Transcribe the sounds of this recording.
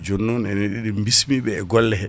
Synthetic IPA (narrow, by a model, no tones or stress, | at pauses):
d͡ʒonːunɛneɗiɗimbismiɓɛːɡɔlːɛhɛ